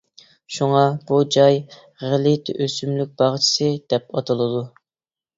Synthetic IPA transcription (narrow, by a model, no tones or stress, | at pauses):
ʃuŋɑb̥ud͡ʒɑj | ʁɪlit̪ʰʔøsymlyk̚ʲb̥ɑʁt͡ʃʰi̥sɨd̪̥ɛp̚ɑt̪ʰɨlˠɨd̪u